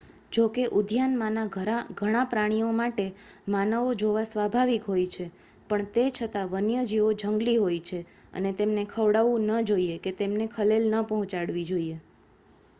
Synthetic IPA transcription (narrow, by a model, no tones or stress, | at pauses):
d͡ʒokeʔʊd̪ʱjanmanaɡʱaɡʱəɽ̃apɾaɽ̃ijomaʈemanəʋod͡ʒoʋasʋabʱaʋikɦojt͡ʃʰe | pəɳt̪et͡ʃʰət̪aʋənjəd͡ʒiʋod͡ʒʱəŋɡliɦojt͡ʃʰe | ə̰net̪emnekʰəʋɽaʋũnəd͡ʒoieket̪emnekʰəlelnəpəɦɔ̃t͡ʃaɽʋid͡ʒoie